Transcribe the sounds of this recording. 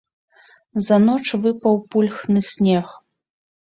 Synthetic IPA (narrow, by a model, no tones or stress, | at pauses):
zɐn̪ɔt͡ʂvɨpɐwpulʲxnɨsʲnʲɛx